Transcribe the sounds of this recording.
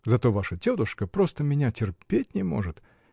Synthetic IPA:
zɐt̪o̞vaʂətʲod̪ʊʂkəpɾo̞st̪əmʲɪnʲatʲɪrpʲetʲnʲɪmo̞̰ʐɨt̪

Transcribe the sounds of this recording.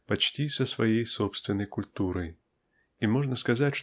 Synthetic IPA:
pɐt͡ɕtʲisəsvɐjejsopst̪vʲɪnːəjkʊlʲt̪uɾəj | imoʐnəskɐzatʲʂ

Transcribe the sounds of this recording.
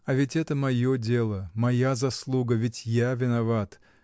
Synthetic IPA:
ɐvʲɪtʲɛt̪əmɐjodʲe̞lˠəmɐjazɐslˠuɡəvʲɪtʲjavʲɪnɐvat̪

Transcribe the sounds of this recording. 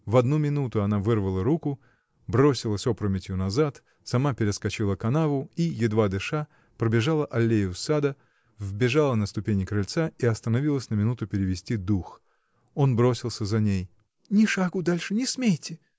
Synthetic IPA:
vɐd̪numʲɪnut̪ʊɐnavɨrvəlˠəɾukʊ | bɾo̞sʲɪlˠəsʲo̞pɾəmʲɪtʲjʊnɐzat̪ | sɐmapʲɪɾʲɪskɐt͡ɕilˠəkɐnavʊijɪd̪vad̪ɨʂa | pɾəbʲɪʐalˠəʔɐlʲːejʊsad̪ə | vbʲɪʐalˠənəst̪ʊpʲenʲɪkɾɐlʲt̪saiɐst̪ənɐvʲilˠəsʲnəmʲɪnut̪ʊpʲɪɾʲɪvʲɪsʲtʲid̪ux | o̞nbɾo̞sʲɪlˠsʲəzɐnʲej | nʲɪʂaɡʊd̪alʲʂɨnʲɪsmʲejtʲɪ

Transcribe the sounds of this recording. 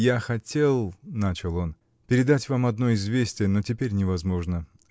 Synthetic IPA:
jaxɐtʲʰe̞lˠnat͡ɕɪlˠo̞n | pʲɪɾʲɪd̪atʲvamɐd̪no̞ɪzvʲesʲtʲɪjəno̞tʲɪpʲeɾʲnʲɪvɐzmo̞ʐnə

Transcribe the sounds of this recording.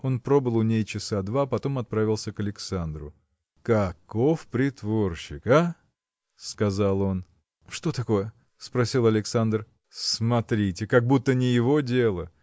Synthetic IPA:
o̞npɾo̞bɨlˠʊnʲejt͡ɕɪsad̪vapɐt̪o̞mɐt̪̚pɾavʲɪlˠsʲəkəlʲɪksand̪ɾʊ̰ | kɐko̞fpɾʲɪt̪vo̞rɕːɪka | skɐzalˠo̞n | ʂt̪o̞t̪ɐko̞jə | spɾɐsʲilˠɐlʲɪksand̪r | smɐt̪ɾʲitʲɪkɐɡ̚but̪ːənʲɪjɪvo̞dʲelˠə

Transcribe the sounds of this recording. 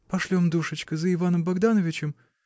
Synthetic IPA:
pɐʂlʲomd̪uʂɨt͡ɕkəzəɪvanəmbɐɡd̪anəvʲɪt͡ɕɪm

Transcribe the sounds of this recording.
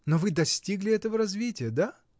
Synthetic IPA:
novɨd̪ɐsʲtʲiɡlʲɪɛt̪əvəɾɐzvʲitʲɪjəd̪a

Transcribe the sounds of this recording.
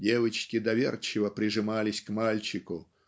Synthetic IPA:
dʲɛvɨt͡ʃkʲid̪avʲɛrt͡ʃɪvɐpɾʲɨʐɨmalʲisʲkmalʲt͡ʃiku

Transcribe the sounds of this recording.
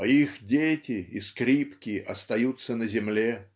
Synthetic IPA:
ixdʲetʲɪiskɾʲipkʲɪɐst̪ɐjut̪sənəzʲɪmlʲe

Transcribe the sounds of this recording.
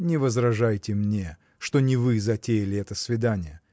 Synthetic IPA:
nʲɪvəzrɐʐajtʲɪmnʲe | ʂt̪o̞nʲɪvɨzɐtʲejɪlʲɪɛt̪əsvʲɪd̪anʲɪjə

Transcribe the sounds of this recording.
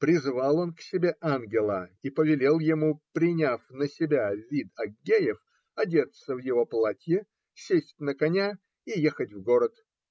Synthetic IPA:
pɾʲɪzvalˠo̞nksʲɪbʲeʔanɡʲɪlˠəipəvʲɪlʲelˠjɪmupɾʲɪnʲafnəsʲɪbʲavʲit̪ɐɡʲejɪf | ɐdʲe̞t̪səvjɪvo̞plˠatʲjɪ | sʲesʲtʲnəkɐnʲa | ijexətʲvɡo̞ɾət̪

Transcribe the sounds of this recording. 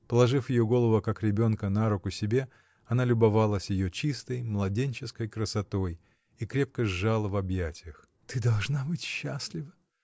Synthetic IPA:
pəlˠɐʐɨfjɪjoɡo̞lˠəvəkakɾʲɪbʲo̞nkənaɾʊkʊsʲɪbʲe̞ | ɐnalʲʊbɐvalˠəsʲjɪjot͡ɕist̪əjmlˠɐdʲenʲt͡ɕɪskəjkɾəsɐt̪o̞j | ikɾʲe̞p̚kəʐːalˠəvɐbjætʲɪjəx | t̪ɨd̪ɐlˠʐnabɨtʲɕːaslʲɪvə

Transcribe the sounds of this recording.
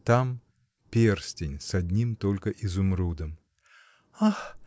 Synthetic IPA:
t̪am | pʲersʲtʲɪnʲsɐdʲnʲimt̪olʲkəʔɪzʊmɾud̪əm | ax

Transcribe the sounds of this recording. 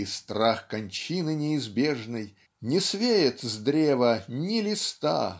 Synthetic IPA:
st̪ɾaxkɐnʲt͡ɕinɨnʲɪːzbʲeʐnɨj | nʲɪsvʲejɪt̪zd̪ɾʲevənʲɪlʲɪst̪a̰

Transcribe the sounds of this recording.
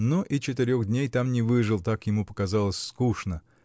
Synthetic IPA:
noʔit͡ɕɪt̪ɪɾʲoɣd̪ʲnʲejt̪amnʲɪvɨʐɨlˠt̪akjɪmupə̥kɐzalˠəsʲfskuʂnə

